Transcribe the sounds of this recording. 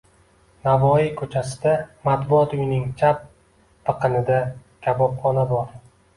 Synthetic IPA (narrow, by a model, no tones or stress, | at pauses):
navɒjikʲʰɵt͡ʃʰasɪd̪amat̪bʊɒt̪ʊjnɪŋt͡ʃʰap̚ | t̪ɨqʰɨnɪd̪akʲʰabɒpχɒnabɒɾ